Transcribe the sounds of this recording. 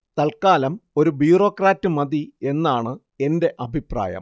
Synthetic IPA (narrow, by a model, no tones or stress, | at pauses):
t̪ɐlkaːlɐmo̞ɾubjuuro̞ːkraːtːɨmɐd̪ie̞nːaːɳɨ | e̞nde̞ʔɐbʱipra̰ːjɐ̰m